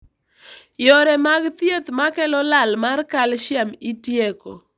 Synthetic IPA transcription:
jɔɾɛmaɡt̪jet̪makɛlɔlalmarkalʃjamitjeko̰

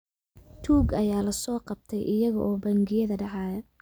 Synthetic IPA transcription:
t̪ʰuːɡɐjaːlɐsɔːqɑb̚t̪ʰɛjʔɪjɐɣɐ̰ʔɔːbɐŋɡɪjɐðɐɖɑʕɑːjɐ

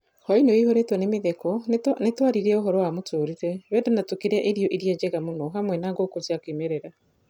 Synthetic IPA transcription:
hɔinoihoɾetwɛnemeðɛkɔnnetwaɾiɾiɛoɦɔɾɔwamotʰoːɾiɾɛβɛːdenatokiɾɛʔeɾiɔʔiɾiɛd͡ʑɛɣamonɔɦamwɛnaɡokotiakwimeɾeɾa

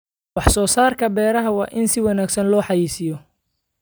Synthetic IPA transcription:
wɑħsɔːsaːrkʰɐbɛːɾɐɦɐwɑːʔɪnsɪwɑnaːɡsɐnlɔːħɑjiːsɪjɔ

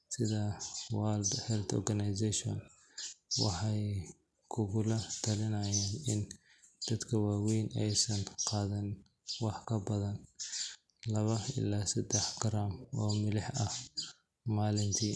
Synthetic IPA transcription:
sɪðɐwaːld̪hɛlt̪ʰɔ̰rɡɐnɐjsɛʃɔ̰n | wɑ̰ħɑj | kʰʊɣʊlɐt̪ʰɐlɪnɐjaːnɪn | d̪̥ɐd̪kʰɐwaːwɛjnʔɛjsɐnqɑːðɛn | wɑħkʰɐbɐðɐn | lɐβɐɪ̰laːsɐd̪ɛħɡɐɾaːmɔ̰ːmɪlɪħɐh | maːlɪnt̪ʰiː

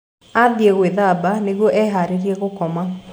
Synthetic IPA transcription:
aðjɛɣweðabaneɣwɔʔɛɦaɾeɾjɛɣokɔma

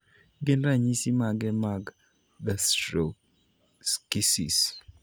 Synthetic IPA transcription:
ɡɪnɾaɲisimaɡɛmaɡ | dastɾo | skisḭs

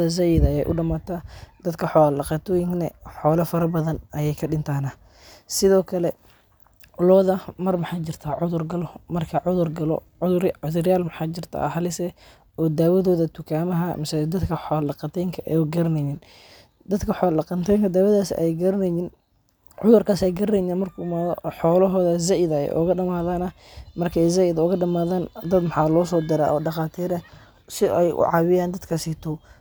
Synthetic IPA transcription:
ɐz̬ɐjɪðɐjɛ̰jʔʊ̰ɖɐmaːt̪ʰad̪̥ɐd̪kʰɐħɔːlɑqɑt̪ʰɔːjɪŋknɐ̰ħɔːlɐfɐɾɐbɐðɐnʔɐjɛjkʰɐɖɪnt̪ʰaːna | sɪðɔːkʰɐlɛ | ʊlɔːðɐmɐrmɐħɑːt͡ʃɪrt̪ʰaːʕʊðʊrɡɐlɔmɐrkʰɐʕʊðʊrɡɐlɔ̰ | ʊðʊʕʊðʊrjaːlmɐħɑːt͡ʃɪrt̪ʰa̰hɐlɪsɛ | ɔːd̪aːwɐðɔːðɐt̪ʰʊkʰaːmɐɦɐmɪsɛd̪ɐd̪kʰɐħɔːlɑqɑt̪ʰɛːŋkʰɐʔɛ̰jʊɡɐɾɐnɛjin | d̪ɐd̪kʰɐħɔːlːɑqɐnt̪ʰɛjŋkʰɐd̪aːwɐðaːsjɡɐɾɐnɛjɪn | ʕʊðʊrkʰaːsɛjɡɐɾɐnɛninmɐrkʰuːmaːðɔ̰ħɔːlɐɦɔːðɐzaʔɪðɐɛ̰jʔʊ̰ɣɐɖɐmaːðaːnɐ | mɐrkʰɛjzaʔɪðʊɣɐɖɐmaːðaːnd̪ɐd̪mɐħɑːlɔːsɔːd̪ɪɾa̰ːʔɔ̰ːɖɑqɑːt̪ʰiːɾɐ | sɪʔɛ̰jʔʊ̰ʕɑwɪjaːnd̪ɐd̪kʰasit̪ʰɔw

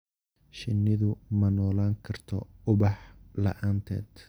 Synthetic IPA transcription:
ʃɪnːɪðʊmɐnɔːlaːŋkʰɐrt̪ʰɔ̰ʊβɑħlɐ̰ʔaːnt̪ʰɛ̰ːd̪

